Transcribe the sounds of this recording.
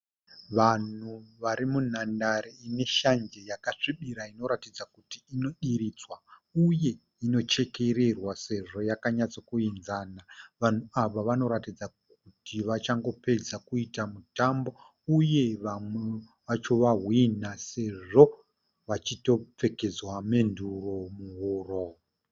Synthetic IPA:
ʋan̤uʋaɾimun̤andaɾeine̞ʃand͡ʒe̞jakaʂiɓiɾaino̞ɾatid͡zakutiːno̞ɗiɾiːt͡swauje̞ | ino̞t͡ʃe̞ke̞ɾe̞rwase̞ʐo̞jakaɲat͡sokuinzaːnaʋan̤uaʋaʋano̞ɾatid͡zakkutiʋat͡ʃaŋɡo̞pe̞d͡zakuitamutambo̞ | uje̞ʋamwe | ʋat͡ʃo̞ʋaɦwinase̞ʐo̞ | ʋat͡ʃito̞p͡fe̞ke̞d͡zwame̞nduro̞muɦuːro

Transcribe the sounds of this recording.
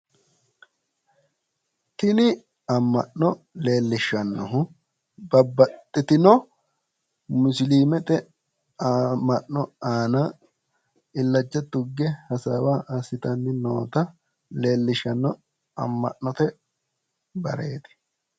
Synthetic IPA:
t̪ɪnɪ | ɐmːɐ̰ʔnɔ | le̞ːlːɪʃɐnːɔɦʊ | bɐbːɐt̪ʼːɪt̪ɪnɔ | mʊsliːmɛt̪ɛ | amːɐʔːɔaːnaː | ɪlːɐd͡ʒːɐt̪ːʊɡːɛhɐsaːwaːʔɐsɪt̪ɐnːɪnoːt̪ɐ | le̞ːlːɪʃɐnːɔ | ɐ̰mːɐ̰ʔːɔt̪ɛ | bɐ̰ɾḛːt̪ɪ̥

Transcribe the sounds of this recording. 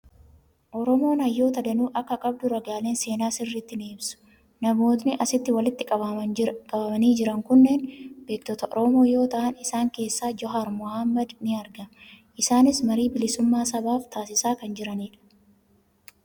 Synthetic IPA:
ʔɔɾɔmo̞ːnɐjːo̞ːt̪ɐd̪ɐnuːʔɐkːɐkʼɐb̚d̪ʊɾɐɡaːle̞ːnse̞ːnaːsɪrːit̪ːɪneːbsʊ̥ | nɐmo̞ːt̪nɪʔɐsɪt̪ːɪwɐlɪt̪ːɪkʼɐɐkʼɐbɐmɐniːd͡ʒɪɾɐŋkʊnːe̞ːnbe̞ːk̚t̪ɔt̪ɐʔɔ̰ɾomo̞ːjo̞ːt̪ɐʔɐnɪsaːŋke̞ːsːaːd͡ʒɔɦaɾmʊhamːɐd̪nɪɐɾɡɐmʔɪsaːnɪsmɐɾiːbɪlɪsʊmːaːsɐbaːft̪aːsɪsaːkɐnd͡ʒɪɾɐniːᶑɐ̥

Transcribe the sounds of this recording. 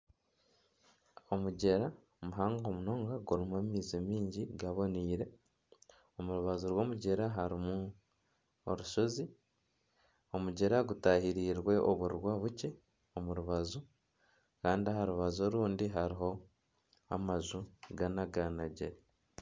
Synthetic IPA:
o̞muɟe̞ɾa | muɦaːŋɡo̞muno̞ːŋɡaɡuɾimuamiːzimiːɲɟiɡaβo̞niːɾe̞ | omuɾuβazuɾwo̞ːmuɟe̞ɾaɦaɾimu | oɾuʃo̞zi | o̞muɟe̞ɾaɡutahiɾiːɾwe̞ʔoβuɾwaːβuce̞ | omuɾuβazu | kaːndiahaɾuβazo̞ɾuːndiɦaɾiɦo̞ | a̰mazuɡanaɡanaɟḛɾa

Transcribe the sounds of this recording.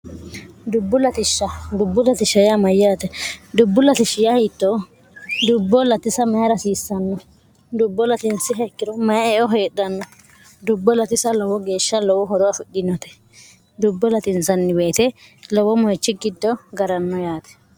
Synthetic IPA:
d̪ʊbːʊlɐt̪ɪʃːɐd̪ʊbːʊlɐt̪ɪʃɐjamɐjːaːt̪ɛd̪ʊbːʊlɐt̪ɪʃɪjɐhiːt̪ːɔ | d̪ʊbːɔlɐt̪ɪsɐmɐjɐɾɐsiːsːɐnːɔ | d̪ʊbːɔlɐt̪ɪnsɪɦɛkːɪɾɔmɐjɛɔɦeːɗɐnːɔ | d̪ʊbːɔlɐt̪ɪsɐlɔwɔɡe̞ːʃːɐlɔwɔɦɔɾɔɐfɪkːɪnːɔt̪ɛ̥ | d̪ʊbːɔlɐt̪ɪnsɐnːɪbe̞ːt̪ɛlɔwɔmɔjt͡ʃːɪɡɪd̪ːɔɡɐɾɐnːɔjaːt̪ɛ̥

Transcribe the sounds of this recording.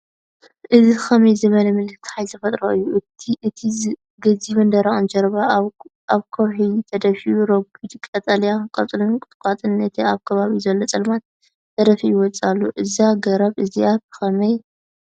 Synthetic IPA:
ʔɨzixɐmɐjzɨβɐlɐmɨlɨt̪ʰħajt̪ʰɐfɐt̪ʼɾoʔɨjːuʔɨt̪ʰiʔɨt̪ʰi | ɡɐziβɨnd̪ɐɾaʔʼɨnd͡ʒɐɾβa | aβkʰɐwħit̪ʰɐd̪ɐfiuɾɐɡud̪ɨkʼɐt͡s̪ʼɐljakʼɐt͡sʼlunkʼɨt̪ʼkʼat̪ʼɨnɨt̪ʰiaβkʰɐβaβizɐlːot͡sʼɐlmat̪̚ | t̪ʰːɐd̪ɐfijɪwɔt͡sʼalːuʔɨzaɡɐɾɐβʔɨziat̪̚ɨ̥xɐmɐj

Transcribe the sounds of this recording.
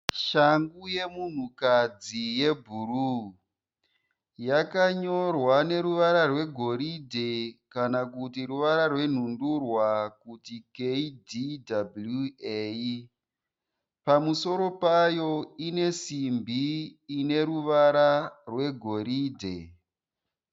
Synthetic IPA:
ʃaŋɡuje̞mun̤ukad͡zije̞bʱuru | jakaɲo̞rwane̞ɾuʋaɾarwe̞ɡʱo̞ɾidʱekanakutiɾuʋaɾarwe̞n̤undurwakutikeididablueji | pamuso̞ɾo̞pajo̞ine̞simbiːne̞ɾuʋaɾarwe̞ɡʱo̞ɾiːdʱe̞

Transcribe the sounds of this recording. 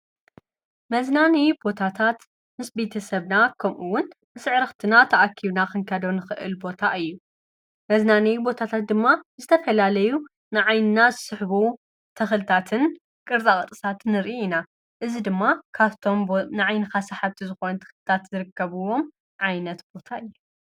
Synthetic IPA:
mɐznanibo̞t̪ʰat̪ʰat̪ | mɨsbe̞t̪ʰɐsɐβnakʰɐmʔuwʊnː | ɨsɨʕɾɐxt̪ʰɨnat̪ʰɐʔakʰːiβnakɨŋkʰɐd̪o̞nɨxɨʔɨ̰lbo̞t̪ʰaʔɨjːu | mɐznanibo̞t̪ʰat̪ʰat̪̚d̪ɨmːazɨt̪ʰɐfɐlalɐju | nɨʕajnɨnazɨsɨħbu | t̪ʰɐxɨlɨt̪ʰat̪ʰɨn | kʼɨɾt͡sʼakʼɨt̪ʼɨsat̪ʰɨnɨɾʔiina | ʔɨzid̪ɨmːakʰaβt̪ʰo̞mnɨʕajnɨkasaħaβt̪ʰizɨxo̞nɐt̪ʰɐ̥xlɨt̪ʰat̪zɨɾɨkːɐβɨwo̞m | ʕajnɐt̪b̥o̞t̪ʰaɨjːu

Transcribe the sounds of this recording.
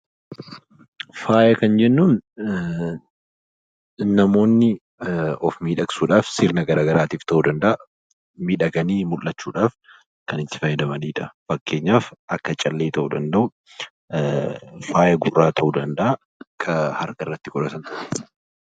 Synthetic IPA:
faːjɐkɐnd͡ʒɛnːuːn | nɐmo̞ːnːɪ | ɔfmiːᶑɐksuːᶑaːfsɪɾnɐɡɐɾaːɡɐɾaːt̪iːft̪ɐʔuːd̪ɐnd̪ɐʔɐ | miːᶑɐɡɐniːmʊlːɐt͡ʃːuːᶑaːf | kɐnɪt̪ːɪ̥fɐjɛd̪ɐmɐniːᶑɐfɐkːe̞ːɲːaːfʔɐkːɐt͡ʃʼɐlːe̞ːt̪ɐʔuːd̪ɐnd̪ɐʊ | faːjɐɡʊrːaːt̪ʰɐʔuːd̪ɐnd̪ɐʔɐ | kʰɐhɐɾɡɐɪrːɐt̪ːɪkʼʊᶑɐsɐn

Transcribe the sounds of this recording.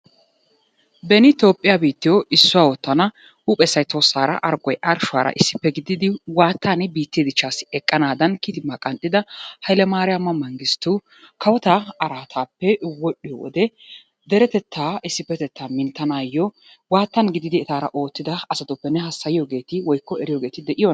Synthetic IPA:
bɛnɪt̪o̞ːpʼːɪjabiːt̪ːɪjoʔɪsːʊwaːwɔt̪ːɐnɐ | huːpʼɛsːɐjt̪oːsːaːɾɐ̰ʔɐɾɡɔjʔɐɾʃʊaːɾɐ̰ʔɪsːɪpːɛɡɪd̪ɪd̪ɪwaːt̪ːaːnɪbiːt̪ːeːd̪ɪt͡ʃːaːsːɪ̥ɛkʼːɐnaːd̪ɐnkit̪ɪmːakʼɐnt̪ːɪd̪ɐhɐjlɛmaːɾɪjamːɐmːɐŋɡɪst̪u | kʰɐwɔt̪aɐɾaːt̪ʰaːpːɛwɔɗːɪjɔ̰wɔ̰d̪ɛ | d̪ɛɾɛt̪ɛt̪ʰːaːɪsːɪpːɛt̪ɛt̪ːaːmɪnt̪ːɐnaːjːɔ | waːt̪ːɐnɡɪd̪ɪd̪ɪɛt̪aːɾɐ̰ʔo̞ːt̪ːɪd̪ɐɐsɐt̪ʊpːɛnɛɦɐsːɐjɪjoːɡe̞ːt̪ɪwɔjkːɔɛɾɪjoːɡe̞ːt̪ɪd̪ɛʔɪjɔ

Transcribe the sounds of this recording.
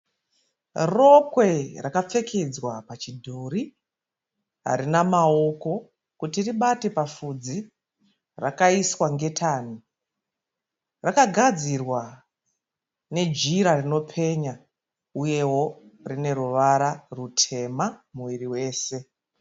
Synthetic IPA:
ro̞kwe̞rakap͡fe̞ked͡zwapat͡ʃidʱori | ɦa̰ɾinamao̞ko̞ | kutiriɓate̞pafud͡zi | rakaiswaŋɡe̞tʰaːn̤u | rakaɡʱad͡zirwa | ne̞d͡ʒiɾarino̞pʰe̞ɲa | uje̞wo̞rine̞ɾuʋaɾarutʰe̞mamuʋiɾiwe̞ːse̞

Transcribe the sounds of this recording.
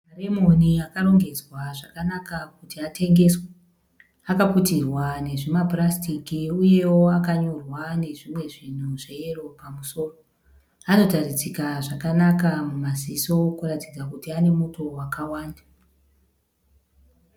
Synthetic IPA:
maremo̞niakaɾo̞ŋɡe̞d͡zwaʐakanakakutiatʰe̞ŋɡe̞swa | akaputirwane̞ʐimaprastikiuje̞woakaɲo̞rwane̞ʐimwe̞ʐin̤uʐeero̞pamuso̞ːro | ano̞tarid͡zikaʐakanakamumaziso̞kuratid͡zakutiane̞muto̞wakawaːnda

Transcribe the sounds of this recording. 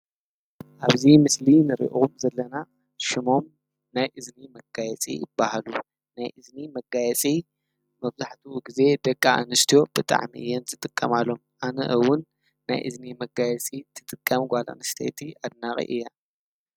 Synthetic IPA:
ʔaβzimɨslinɨɾḭʔɣumzɐlːɐna | ʃɪmo̞m | najʔɨznimɐɡajɛt͡sʼḭjɪbːahalu | najʔɨznimɐɡajɛt͡sʼi | mɐβzaħt̪ʰuɡize̞d̪ɐkʼːa̰ːnɨst̪ʰijo̞b̥ɨt̪ʼa̰ʕmḭɨ̰jːɛnzɨt̪ʼɨkʼːɐmalːo̞mʔanɐ̰ʔɨwʊnː | a̰jʔɨznimɐɡajɛt͡sʼit̪ʰɨt̪ʼɨkʼːɐmɡʷala̰nɨst̪ʰḛt̪ʰiad̪̚naχʼḭʔɨ̰jːa

